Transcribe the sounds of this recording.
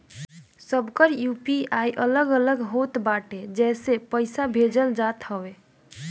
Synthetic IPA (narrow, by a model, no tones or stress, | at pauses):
səbkəɾjupiajʔələɡələɡɦot̪baʈed͡ʒɛsepəjsabʱed͡ʒəld͡ʒat̪həbe